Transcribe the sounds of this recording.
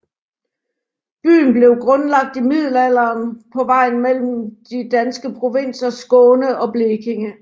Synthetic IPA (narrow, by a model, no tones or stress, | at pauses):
b̥y̰ːn̩b̥le̝ʊɡ̥ʁɔ̽nlɑ̈ɡ̥̚d̥imið̞̰ˠl̩æl̰ɐːnpʰɒ̽ʋɑ̈ɪ̰nmel̰m̩d̥id̥ænsɡ̥əpʰʁo̝ʋen̰sɐsɡ̥ɔːnəʔɒ̽b̥leːɡ̥ʰe̝ŋə